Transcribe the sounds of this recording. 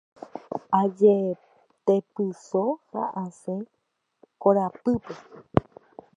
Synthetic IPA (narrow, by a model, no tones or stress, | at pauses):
ad͡ʒe | t̪epɨsoha̰ʔasẽ | koɾapɨpe